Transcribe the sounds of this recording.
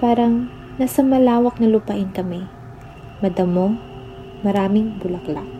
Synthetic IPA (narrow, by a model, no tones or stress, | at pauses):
paːɾɐŋ | nɐsɐmɐlaːwɐk̚nɐlʊpɐʔɪnkɐmɛ | mɐd̪ɐmoŋ | mɐɾaːmɪŋbʊlɐklak̚